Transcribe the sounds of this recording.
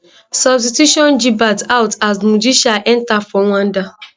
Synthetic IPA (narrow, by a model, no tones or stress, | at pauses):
sɔbstituʃɔ̃nd͡ʒibatawtazmud͡ʒiʃaʔɛntafɔ̃ŋʷãnda